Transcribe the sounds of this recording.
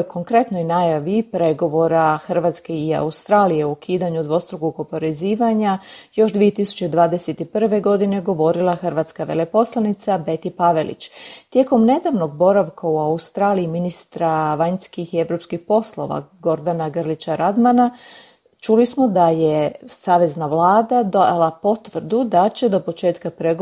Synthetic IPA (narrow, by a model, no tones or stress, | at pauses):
jkʰo̞ŋkɾe̞t̪no̞jnajaʋipɾe̞ɡo̞ʋo̞ɾaxr̩ʋat̪ske̞ia̰ust̪ɾaːlije̞okʰiːd̪aɲud̪ʋo̞st̪ɾuɡoɡo̞po̞ɾeziːʋaɲajo̞ʃd̪ʋie̞t̪isu̥t͡ɕed̪ʋaːd̪eset̪ipr̩ʋe̞ɡo̞d̪ine̞ɡo̞ʋo̞ɾilˠaxrɾʋat̪skaʋe̞̰lepo̞slˠanit̪sabe̞t̪ipaʋe̞lʔḭt͡ɕt̪je̞ko̞mne̞d̪aʋno̞ɡbo̞ɾaʋkauaust̪ɾaːliiminist̪ɾaʋaɲskixie̞ʋɾo̞pskixpo̞slˠo̞ʋa̰ɡo̞ɾd̪anaɡrlit͡ɕaɾad̪mana | t͡ʃulismo̞d̪ajesaːʋe̞znaʋlˠaːd̪ad̪oja̰lˠapo̞t̪ʋr̩d̪ud̪at͡ɕe̞d̪o̞po̞t͡ʃe̞ːt̪kapɾeɡ